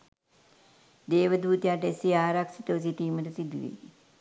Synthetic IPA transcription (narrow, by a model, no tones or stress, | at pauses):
d̪eːʋəd̪uːt̪ijaːʈesiaːɾaksit̪əʋəs̬iʈiːmətəsid̪uʋḛ